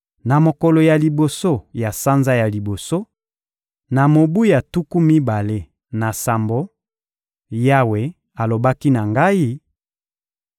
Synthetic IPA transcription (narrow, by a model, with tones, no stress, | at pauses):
na˨mo˨kɔ˨lo˨ja˨li˨bo˨so˦ja˨sa˦nza˦ja˨li˨bo˨so˦ | na˨mo˨bu˦ja˨tu˦ku˦mi˦ba˨le˦ | na˨sa˨mbo˦ | ja˦we˨ | a˨lo˨ba˦ki˦na˨ŋɡa˦i˦